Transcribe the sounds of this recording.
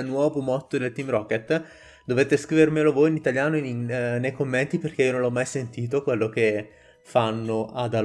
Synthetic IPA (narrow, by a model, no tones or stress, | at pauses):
nwɔːvomɔt̪ːod̪elt̪imɾɔket̪ː | d̪oveːt̪eskɾiːveɾmeːlovojinit̪aljaːnoinnejkomːent̪iperk̟eionõnlːɔmːajsent̪iːt̪̬okwelːok̟e | fanːoʔad̪a